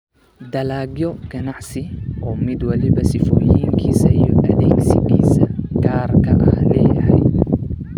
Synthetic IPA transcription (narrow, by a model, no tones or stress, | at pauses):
d̪ɐlaːɡjɔɡɐnaʕsɪʔoːmɪd̪wɐlɪbɐsɪfoːjiŋkʰisɐjɔɐd̪eːɡsɪɡiːsɐɡaːɾkɐʔɐhleːjɐhɐj